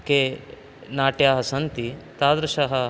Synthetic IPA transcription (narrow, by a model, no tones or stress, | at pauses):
keː | naːʈjaːɦɐsɐnt̪it̪aːd̪ɾɐʃaɦɐ